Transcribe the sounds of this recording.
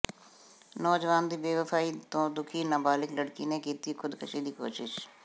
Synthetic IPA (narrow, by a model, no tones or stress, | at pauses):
nɔːd͡ʒʋaːnd̪iːʋeːʋəfʰaːiːt̪õːd̪ʊkʰiːnaːbaːlɪkləɽkiːneːkiːt̪iːkʰʊd̪kʰəʃiːd̪iːko̰ːʃɪʃ